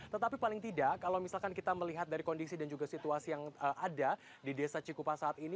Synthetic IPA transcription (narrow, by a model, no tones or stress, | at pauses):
t̪ət̪apipalɪŋt̪idakalawmisalkankit̪aməliɦat̪̚daɾikɔndisidand͡ʒuɡasit̪uasijaŋəʔada | didesat͡ʃikupasaːt̪ini